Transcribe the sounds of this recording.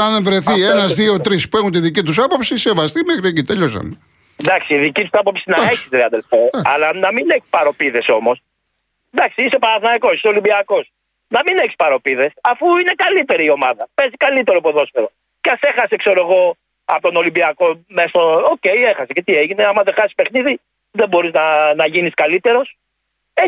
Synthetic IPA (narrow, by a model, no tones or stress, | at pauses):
ɐnevɾe̞θienɐzðio̞t̪ɾispue̞xunt̪iðicit̪̬usɐpo̞psise̞vɐst̪imexɾiecit̪eʎosɐ̰me | nd̪ɐksiːðicit̪u̥sɐpo̞psinɐeçisɾeɐðelfeɐlɐnɐmineçi̥spɐɾo̞piðe̞so̞mo̞s | d̪ɐksiisepɐɾɐθnɐikosiso̞limbiɐko̞s | nɐmineçi̥spɐɾo̞piðe̞sɐfuine̞kɐlit̪e̞ɾiio̞mɐðɐpe̞zikɐlit̪e̞ɾopoðo̞sfeɾo̞ | ceɐse̞xɐse̞kse̞ɾoeɣo̞ | ɐ̰pot̪ono̞limbiɐko̞mesooce̞jexɐsece̞t̪ieʝineɐmɐðexɐsispe̞xniði | ðebo̞ɾiznɐnɐʝiniskɐlit̪e̞ɾo̞s | e